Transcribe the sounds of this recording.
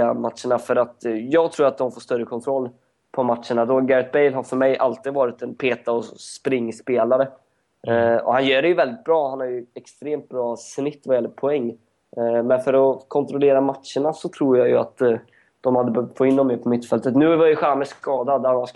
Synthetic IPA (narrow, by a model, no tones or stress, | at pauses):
amat̪ʂəɳafœɾat̪jɑːɡt̪ʰɾuːɾat̪̚d̪ɔmfoːʂst̪œɾːəkʰɔnt̪ʰɾɔlː | pʰɔmat̪ʂəɳad̪ɔɡɛɾət̪̚bɛjlɦaɾfœɾmɛjʔalt̪iːd̪vɑːɾɪt̪ɛnpʰeːt̪aɔspɾɪŋːspeːlaɾə | ɔ̰hanjœːɖɛjɵvɛld̪ɪt̪̚bɾɑːhanhaɾjɵɛkst̪ɾeːmt̪̚bɾɑːsnɪt̪ːvajɛlːəɾpʰɔɛŋː | mɛnfœɾɔkʰɔnt̪ʰɾɔleːɾamat̪ʂəɳasɔt̪ʰɾuːɾjajɵa̰t̪ | d̪̥ɔmhad̪ːəbœvt̪fɔːɪnːɔmːɛːpʰɔmɪt̪ːfɛlt̪ət̪nʉ̟ːvajəɧaːməʂkɑːd̪ad̪æɾms